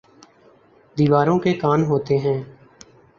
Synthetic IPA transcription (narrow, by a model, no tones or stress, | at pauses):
d̪iːʋaːɾõːkekaːnɦoːt̪eːɦɛ̃ː